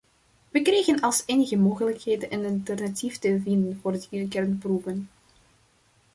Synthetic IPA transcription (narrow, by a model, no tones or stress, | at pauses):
ʋəkrejɣənɑlˠseːnəɣəmoːɣələkheːdənʔənɑlˠtərnatiftəvindənvoːrdəyrkɛrnprupən